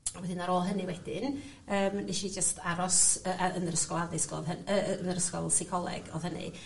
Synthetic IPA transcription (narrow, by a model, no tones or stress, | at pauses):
wɛdɪnaɾoːlˠɦənɨwɛd̥ɪn | əːmniʃid͡ʒəstʰaɾɔsəːʔaənərəskɔlˠadɪsɡ̥lɔ̰ðɦənənəɾəskɔlˠsɪkʰɔlˠɛ̰ɡ̥ɔðhənɨ̰